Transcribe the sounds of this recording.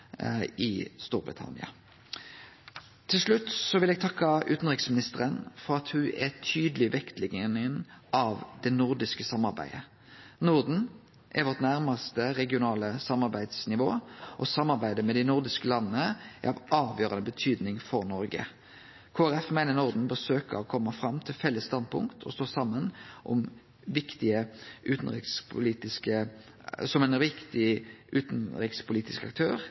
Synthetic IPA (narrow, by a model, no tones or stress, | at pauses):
ɪst̪ṵːɾbʁɪ̰t̪ʰɑ̰nɪɑ̰ | t̪ʰɪlʂɭʉt̪ːsɔʋɪlɛɡt̪ʰɑkːɑʔʉ̰ːt̪n̩ʁɪksmɪnɪst̪əʁənfɔɾɑt̪hʉʔɛt̪ʰyːd̪əlɪʋɛkt̪lɪɡənɪnʔɑʋd̪ɛnʊʁd̪ɪskəsɑmːɑɾbæ̰ɪə | nʊʁd̪n̩ | ʔɛ̰ʋɔʁt̪næʁmɑst̪əʁɛɡɪʊnɑːləsɑmːɑʁbæɪd̪snɪʋo̰ːʔɔsɑmːɑʁbæɪd̪əmɛd̪ɪnʊʁd̪ɪskəlɑnːənəɛ̰ɑʋʔɑːʋjøːɾɑnəbət̪ʰyːd̪nɪŋfɔʁnɔɾɡə̰ | kʰoːæɾɛfmæɪnəʁnʊʁd̪n̩bəsøːkə̰ɔkʰɔmːəfʁɑmt̪ʰɪlfɛlːəst̪ɑnd̪̚pʰʊ̰ŋkt̪ʰɔst̪oːsɑmːənʔɔm | ʋɪkt̪ɪəʔʉːt̪n̩ʁɪ̰kspʰʊliːt̪ɪskə | sɔmɛɪnɾɪkt̪ɪʔʉːt̪n̩ɾɪkspʰʊliːt̪ɪskɑk̚t̪ʰøːʁ